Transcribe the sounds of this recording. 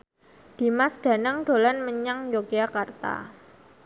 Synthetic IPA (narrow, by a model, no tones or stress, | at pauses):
d̥i̤masd̥a̤naŋɖ̥o̤lanməɲaŋd͡ʒoɡ̥iakart̪a̰